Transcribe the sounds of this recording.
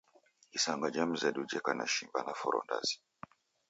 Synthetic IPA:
isaŋɡad͡ʒam̩zadud͡ʒɛkanaʃimbanafɔɾɔ̰nda̰zi̥

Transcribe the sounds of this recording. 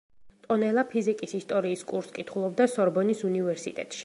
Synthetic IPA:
t̪ʼɔnɛlˠapʰizikʼisist̪ʼɔɾiːskʼuɾskʼit̪ʰχulˠɔbd̪asɔɾbɔnisunivɛɾsit̪ʼɛ̰t̪ʼʃi̥

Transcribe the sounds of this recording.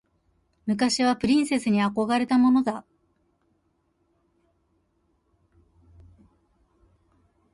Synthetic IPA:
mɯ̟kaɕiβapɯ̟ɾʲĩɰ̃se̞sɨɲ̟iako̞ɡaɾe̞t̪amo̞no̞d̪a

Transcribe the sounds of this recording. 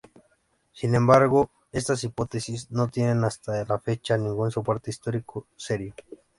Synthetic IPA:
sinẽ̞mbaɾɣo | e̞st̪as̬ipo̞t̪esisno̞t̪je̞nenast̪alafe̞t͡ʃanĩŋɡunsopwaɾt̪eist̪o̞ɾikʰose̞ɾjo

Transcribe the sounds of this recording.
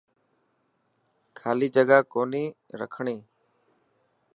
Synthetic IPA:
kʰaːliːd͡ʒəɠaːkoːniːɾə̰kʰɳiː

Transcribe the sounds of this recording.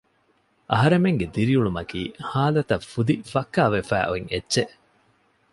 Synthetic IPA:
ʔɐɦɐɾemeŋɡed̪iɾiuɭumɐkiːhaːlɐt̪ɐfud̪ifɐkːaːʋefæ̰ːʔoiŋetːʃeʔ

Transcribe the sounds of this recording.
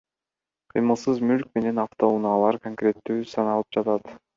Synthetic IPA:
qʰɯjmɯlˠsɯzmylk̚me̞ne̞nɑft̪o̞unɑːlˠɑɾkoŋkɾʲe̞t̪ːyːsɑnɑlˠɯp̚d͡ʒɑt̪ɑt̪

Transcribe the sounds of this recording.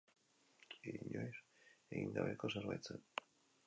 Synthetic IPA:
iiɲojseɣiŋɡaβeko̞seɾβajt͡sen

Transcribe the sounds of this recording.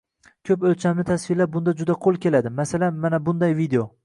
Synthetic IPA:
kʲʰɵpɵlt͡ʃʰamnɪt̪ʰasvɪlaɾ̚bʊnd̪ad͡ʒʊd̪aqʰolˠkʲʰe̞lad̪ɪmasalanmanabʊnd̪ajvid̪eo

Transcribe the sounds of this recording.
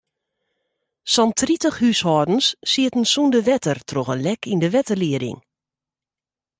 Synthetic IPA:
sɔntritəxhyshɔːdən̩sːiətən̩sundəʋɛtərtʰroxənlɛkʰindəʋɛtərliədɪ̰ŋ

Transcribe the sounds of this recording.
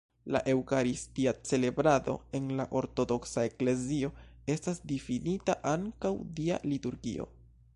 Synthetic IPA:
la̰ʔe̞wkaɾistiat͡se̞le̞bɾado̞̰e̞nlaʔo̞ɾto̞do̞ksae̞kle̞zio̞e̞stasdifinitaʔaŋkawdia̰lituɾɡḭo̞̰

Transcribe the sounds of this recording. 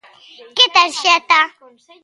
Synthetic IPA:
kɪtaɾʃata

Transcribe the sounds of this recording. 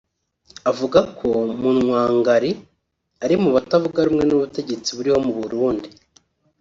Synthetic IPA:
avuɡakʰo̞munŋwaːŋɡaɾi | aɾimuβatavuɡaɾumŋe̞nuβute̞ɟe̞t͡siβuɾiho̞muβuɾuːndi

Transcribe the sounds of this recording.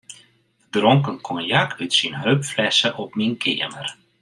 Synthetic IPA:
drɔŋkənkʰɔnjakʰytsinɦøpflɛsəʔɔpminkʰɪ̰əmər

